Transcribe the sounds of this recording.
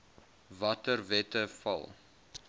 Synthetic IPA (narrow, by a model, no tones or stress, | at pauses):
vɐtərvɛtəfɐ̰lˠ